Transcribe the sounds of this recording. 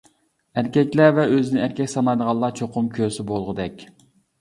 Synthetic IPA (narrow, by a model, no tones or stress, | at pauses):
æɾkʲɛkʲlævɛøzɪnɪæɾkʲɛkʲsɑnɑjd̪əʁɑlˠɑt͡ʃʰoqʰʊmkʲʰøɾsɪbolˠʁəd̪ɛkʲ